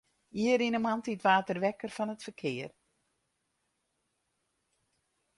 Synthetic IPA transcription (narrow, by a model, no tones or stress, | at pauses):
iəɾinəmantitʋaːtərʋɛkərfɔnətfərkʰɪər